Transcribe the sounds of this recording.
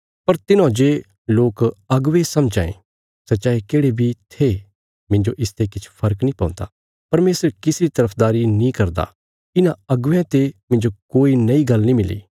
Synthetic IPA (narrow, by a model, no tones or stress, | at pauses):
pɐɾt̪ɪnãd͡ʒeː | loːkɐɡʋesɐmd͡ʒaːḛ̃ | sɐtːt͡ʃaːikeːɽebʱit̪ʰe | mɪ̃nd͡ʒoʔɪst̪ekɪt͡ʃʰpʰɐɾəknĩːpã̰ːnd̪a̰ | pɐɾmeːsəɾkɪsɾit̪ɐɾəpʰd̪aːɾinĩkɐɾd̪a̰ | ɪnãɐɡʋɛ̃t̪emɪ̃nd͡ʒokoːinɐiɡɐlnĩmɪlḭː